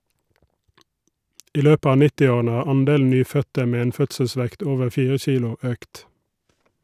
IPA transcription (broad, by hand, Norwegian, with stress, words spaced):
ˈiː ˈløːpə ˈɑː ˈnɪtɪˌoːʁənə ˈhɑːʁ ˈɑnˌdeːln̩ ˈnyːˌfœtə ˈmeː ˈeːn ˈfœtsəˌsʋɛkt ˈoːʋəɾ ˈfiːʁə ˈçiːlʊ ˈøːkt